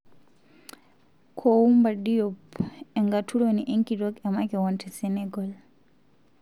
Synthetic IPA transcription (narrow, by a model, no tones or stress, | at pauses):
kʰɔwumbaɗijɔpɛŋɡatʰuɾoniʔeŋkiɗɔkɛmakɛwɔntɛsɛnɛɡɔl